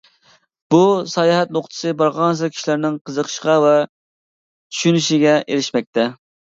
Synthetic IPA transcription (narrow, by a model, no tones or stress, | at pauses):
b̥usɑjɑɦɛt̪̚noqt̪ʰɨ̥sɨbɑɾʁɑnz̬ɨkʲʰi̥ʃilɪɾnɪŋqʰəzəqʰə̥ʃqɑvɛ | t͡ʃ̪ʰy̥ʃynyʃiɡʲɛʔeɾɪʃmɛk̚ʲt̪ʰɛ